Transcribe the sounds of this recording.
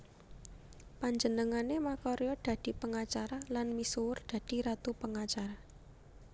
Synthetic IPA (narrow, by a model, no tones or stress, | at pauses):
paɲd͡ʒənəŋanemakɔɾjɔd̪̥ä̤d̪̥i̤pəŋat͡ʃaɾalanmisuwʊrd̪̥a̤d̪̥i̤ɾat̪upəŋat͡ʃaɾa